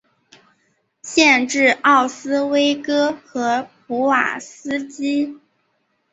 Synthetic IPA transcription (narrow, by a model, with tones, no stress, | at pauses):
ɕjɛ˥˧nʈ͡ʂɻ̩˥˧ɑ˥˩ʊsɹ̩˥we˥ɪkɤ˥xɤ˧˥pu˧˥wa̰˨˩sɹ̩˥t͡ɕi˥